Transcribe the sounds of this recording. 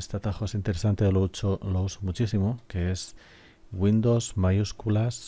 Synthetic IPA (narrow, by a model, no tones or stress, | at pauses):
est̪at̪axoesint̪e̞ɾesant̪elot͡ʃolousomut͡ʃisimoke̞e̞s | wind̪ozmajuskulas